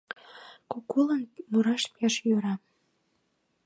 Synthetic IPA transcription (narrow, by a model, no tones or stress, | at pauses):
kokːulənmuɾɑʃpiɑʃjøɾɑ